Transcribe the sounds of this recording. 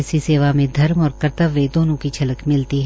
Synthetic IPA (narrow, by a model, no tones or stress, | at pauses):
siseːʋamẽd̪ʱɐɾmɔːɾkɐɾt̪əʋːed̪oːnõkit͡ʃʰɐləkmɪlt̪iɦ